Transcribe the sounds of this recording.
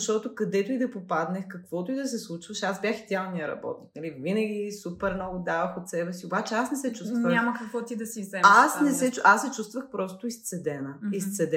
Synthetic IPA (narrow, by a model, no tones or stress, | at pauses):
ʃt̪ɔt̪ʊkɐd̪ɛt̪ʊid̪ɐpopad̪nɛxkɐkv̥ɔt̪ʊid̪ɐs̬ɛslˠut͡ʃvɐʃazbʲjaxid̪ɛalˠnijəɾɐ̰bɔ̰t̪niknɐlivinəɡʲisupɛɾnnɔɡʊd̪avɐxot̪sɛbɛsiobat͡ʃɛasnɛsɛt͡ʃust̪vɲvəamɐkɐkvɔt̪id̪ɐsizɛasnɛsɛt͡ʃʔasɛt͡ʃust̪vəxpɾɔst̪ʊist̪sɛd̪ɛnəist̪sɛd̪ɛ